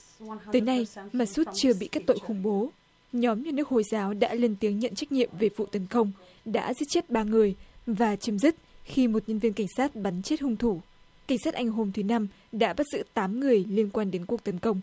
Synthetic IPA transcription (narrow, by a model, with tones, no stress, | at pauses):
t̪əː˨˦jna˧jmaː˨˩su˦˥t̚t͡ɕɨ˧əɓḭ˧˨kaː˦˥k̚t̪o̰˧˨xʊ˧˩ŋ͡mɓo˨˦ | ɲɔ˨˦mɲa˧nɨ˦˥ək̚ho̰˧˨jzaː˨˦wɗa̰ː˧˥le˧nt̪i˨˦əŋɲə̰˧˨nt͡ɕa˦˥jk̟̚ɲḭ˧˨əmve˨˩vṵ˧˨t̪ə˨˦nkə˧wŋ͡m | ɗa̰ː˧˥zɨ̰˦˥t̚t͡ɕe˦˥t̚ɓaː˧ŋɨ˨˩əjvaː˨˩t͡ɕə˨˦mzi˦˥k̚xi˧mo˨˩t̚ɲə˧nvi˧ənka˧˩ŋ̟saː˦˥t̚ɓa˨˦nt͡ɕe˦˥t̚hʊ˧ŋ͡mt̪ʰu˧˩ | ka˧˩ŋ̟saː˦˥t̚ʔa˧jŋ̟ɦo˧mt̪ʰɨ˨˦na˧m | ɗa̰ː˧˥ɓa˦˥t̚zɨ̰˧˥t̪aː˨˦mŋɨ˨˩əjli˧ənkwaː˧nɗe˨˦nku˨˩ək̚t̪ə˨˦nkə˧wŋ͡m